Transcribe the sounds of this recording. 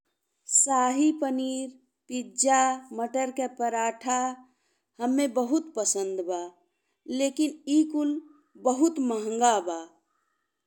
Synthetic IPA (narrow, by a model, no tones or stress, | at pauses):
saːɦipəniːɾ | pid͡ʒaməʈəɾkepəɾaːʈʰa | həmːebəɦut̪pəsə̃nd̪ba | leːkinikul | bəɦut̪məɦə̃ŋɡaba